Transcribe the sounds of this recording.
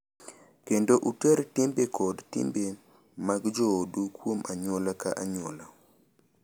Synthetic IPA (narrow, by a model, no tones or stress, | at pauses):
kendoʔutɛɾtimbekʰɔdtɪ̰mbe | maɡd͡ʒoodukwomaɲwolaka̰ʔaɲwɔla